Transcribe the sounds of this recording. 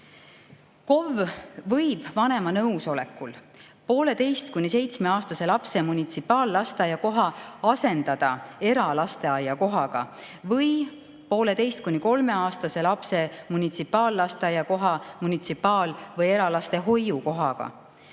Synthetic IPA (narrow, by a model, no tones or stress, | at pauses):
ko̞vvɤjb̥vɑne̞mɑnɤwso̞le̞kːul | po̞ːle̞t̪e̞jst̪̚kunʲise̞jt̪sme̞ɑːst̪ɑse̞lɑpse̞munʲit̪sipːˑɑːlːɑst̪ɑjɑko̞ɦɑɑse̞nd̪̥ɑd̪̥ɑe̞ɾɑlɑst̪e̞ɑjːɑko̞ɦɑɡ̥ɑ̰ | vɤj | po̞ːle̞t̪e̞jst̪̚kunʲiko̞lme̞ɑːst̪ɑse̞lɑpse̞munʲit̪sipːˑɑːlːɑst̪ɑjɑko̞ɦɑmunʲit̪sipːˑɑːlvɤje̞ɾɑlɑst̪e̞ɦo̞jːuko̞ɦɑɡ̥ɑ̰